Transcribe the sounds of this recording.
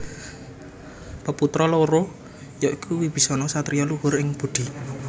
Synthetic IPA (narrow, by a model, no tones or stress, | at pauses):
pəput̪ɾɔloɾo | jɔʔikʰuwib̥i̤sɔnɔsat̪ɾijɔluwʊɾɪŋb̥ud̪̥i̤